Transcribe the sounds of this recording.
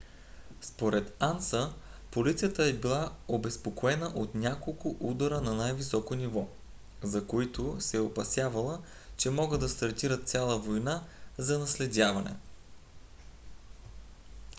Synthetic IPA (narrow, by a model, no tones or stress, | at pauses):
spoɾɛt̪ansəpolit̪sijət̪əɛbilˠaobɛspokoɛnəʔot̪nʲakolˠkʊʔud̪əɾənɐnajvisɔkonivɔ | zɐkoit̪ʊsɛɛopɐsʲjavɐlˠə | t͡ʃɛmɔɡɤd̪d̪ɐst̪ɐɾt̪iɾət̪sʲalˠəvojnazɐnɐslɛd̪ʲavɐnɛ̰